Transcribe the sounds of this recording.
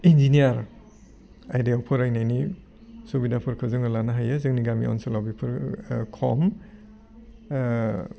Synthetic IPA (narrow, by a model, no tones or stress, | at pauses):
ind͡ʒinijaɾ | ajdeɔpʰɯɾajnajni | subidapʰɯɾkʰɯzɯŋɯlanaɦajɯzɯŋniɡamḭɔ̰nsɯlawbipʰɯɾkʰɔ̰m